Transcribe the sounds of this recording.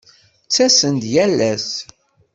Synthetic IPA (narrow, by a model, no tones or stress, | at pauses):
t͡sːæsənd̪jælːæs